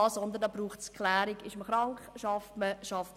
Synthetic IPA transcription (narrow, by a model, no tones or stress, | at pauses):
sɔnd̪əndɑbɾuːχtskχlæːɾɪɡɪʃməχɾɑŋχʃɑftməʃɑft